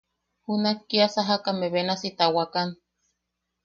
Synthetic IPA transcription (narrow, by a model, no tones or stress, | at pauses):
hunakːiasaɦakameβenasit̪awakan